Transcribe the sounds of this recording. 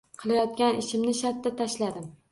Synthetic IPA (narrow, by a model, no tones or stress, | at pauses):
qʰɨlˠajɒt̪̚kʲanɪʃɪmnɪʃat̪ːat̪ʰaʃlad̪ɪm